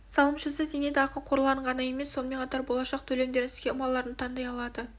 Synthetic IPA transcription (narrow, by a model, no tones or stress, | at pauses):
sɑlˠəmʃəs̬əzene̞d̪ɪɑqəlˠqʰo̞ɾlˠɑəɴʁɑnəje̞me̞sːo̞nəme̞ɴqʰɑt̪ɑɾbo̞lˠɑʃɑq̚t̪ʰɵle̞md̪e̞ɾɪɪzɡʲe̞ʊmɑlˠːɑɾənt̪ʰɑnd̪ɑjɑlˠɑd̪ə